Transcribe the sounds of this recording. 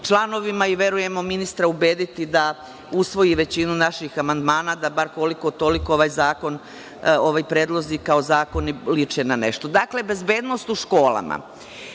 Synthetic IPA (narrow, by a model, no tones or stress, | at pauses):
t͡ʃlˠano̞ʋimaiʋe̞ɾuje̞mo̞minist̪ɾaube̞ːd̪it̪id̪a | usʋo̞jiʋe̞t͡ɕinunaʃixamand̪maːnad̪abaɾko̞liko̞t̪o̞likooʋajzaːko̞n | o̞ʋajpɾeːd̪lˠo̞zikaozaːko̞nilit͡ʃenane̞̰ʃt̪o̞d̪akle̞be̞zbe̞ːd̪no̞st̪uʃko̞ːlˠa̰ma̰